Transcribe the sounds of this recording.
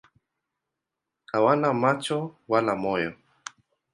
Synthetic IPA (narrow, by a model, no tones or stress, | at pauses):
kawanamat͡ʃowalamojo